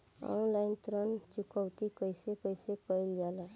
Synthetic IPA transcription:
ɔ̰nlajnt̪ɾʌnt͡ʃukʌwt̪ikʌjsekʌjsekʌjljala

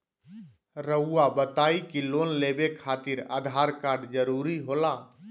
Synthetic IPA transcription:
ɾəuːabət̪aːikilonlebekʰaːt̪iɾa̰ːd̪ʱaɾkaɾɖd͡ʒəɾuɾiɦola

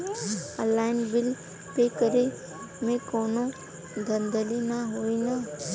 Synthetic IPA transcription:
əlaːɪnbɪl | pekəɾe | mẽkoːnõ | d̪ʱə̃nd̪əlinaɦoːina

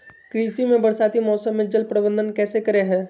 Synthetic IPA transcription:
kɾiːsimẽbəɾsaːt̪imɔːsəmːẽd͡ʒəlpɾəbə̃nd̪ənkɛːsekəɾeɦɛ̃ː

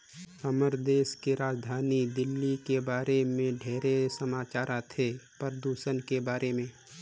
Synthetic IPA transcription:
ɐməɾd̪eːʃkeɾaːd͡ʒd̪ʱaːnid̪ɪlːikebaːɾemẽɖʱeːɾesəmaːt͡ʃaːɾat̪ʰepəɾəd̪uːʃənkebaːɾemẽː

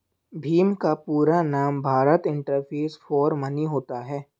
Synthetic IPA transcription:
bʱiːmkapuːɾanaːmbʱaːɾət̪ɪ̃ɳʈəɾpʰeːsfɔːɾməniɦoːt̪aɦɛː

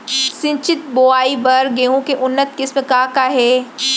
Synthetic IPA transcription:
sɪ̃ɲt͡ʃɪt̪̚boːaːibɐɾɡeːɦũkeʔʊnːət̪̚kɪsmẽkaːkaːɦɛː

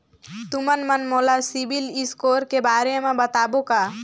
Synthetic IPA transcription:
t̪umənmənmolasibʱiliskoɾkebaɾemabət̪aboka

